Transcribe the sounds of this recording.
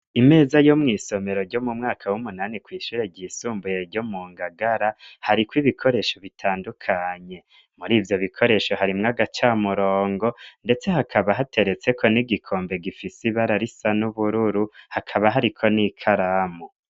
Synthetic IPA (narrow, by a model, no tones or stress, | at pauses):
ime̞ːzajomŋiːso̞me̞ɾo̞ɾɟomumŋaːkʰawumunanikwiːʃuːɾe̞ɟiːsuːmbuje̞ɾɟomuːŋɡaɡaɾahaɾikwiβikʰo̞ɾe̞ʃo̞βitʰaːndukʰaɲe̞ | muɾiːvjo̞βikʰo̞ɾe̞ʃo̞haɾimŋaɡat͡ʃaːmuɾoːŋɡo̞nde̞t͡se̞hakʰaβaɦate̞ɾe̞t͡se̞kʰo̞niɡikʰo̞ːmbe̞ɡifisiβaɾaɾisanuβuɾuɾuhakʰaβaɦaɾikʰo̞nikʰaɾamo